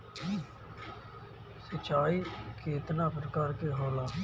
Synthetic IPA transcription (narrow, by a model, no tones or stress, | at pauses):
sət͡ʃːaːiːkʰeːt̪nãːpɾəkaːɾkeːɦoːlaː